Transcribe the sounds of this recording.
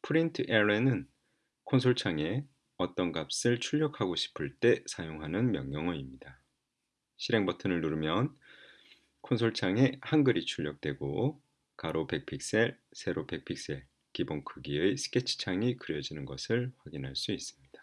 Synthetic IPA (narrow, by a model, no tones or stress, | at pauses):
pʰɯɾintʰɯʔeɾenɯn | kʰonsʰoɭt͡ɕʰaŋe̞ | ʌt͈ʌnɡap̚s͈ɯɭt͡ɕʰuʎːʌkʰaɡoɕʰi̥pʰɯɭt͈e̞sʰajoŋɦanɯnmjʌŋjʌŋʌimɲida | ɕʰiɾe̞ŋbʌtʰɯnɯɭnuɾɯmjʌn | kʰonsʰoɭt͡ɕʰaŋe̞hanɡɯɾit͡ɕʰuʎːʌk̚t͈we̞ɡo | kaɾope̞k̚pʰik̚s͈e̞ɭsʰe̞ɾope̞k̚pʰik̚s͈e̞ɭ | kibonkʰɯɡiesʰɯ̥k͈ʰe̞t͡ɕʰɯ̥t͡ɕʰaŋikɯɾjʌd͡ʑinɯnɡʌsʰɯɭɸwaɡinɦaɭs͈uis͈ɯ̥mɲid̥ḁ